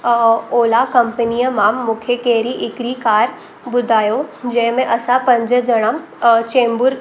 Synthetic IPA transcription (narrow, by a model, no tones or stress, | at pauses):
oːlakɐ̃mpənijəmaːmːʊkʰjəkeːɾiʔɪkɾikaːɾ | bʊd̪ʱaːjod͡ʒɐɦmẽʔɐsãpɐ̃ɲd͡ʒəd͡ʒɐɽ̃am | t͡ʃẽːmbʊɾ